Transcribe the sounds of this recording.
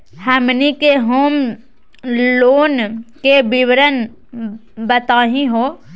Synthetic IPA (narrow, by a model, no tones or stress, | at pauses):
həmnikeɦoːm | loːnkebɪwɾən | bət̪aːɦĩɦoː